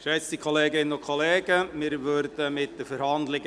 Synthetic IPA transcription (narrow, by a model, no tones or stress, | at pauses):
ʃɛt͡stikʰoleːɡɪnənʊkʰoleːɡ̥əmɪːɾʋøɾd̪əmɪt̚d̥əfəɾhɑnd̪lɪɡ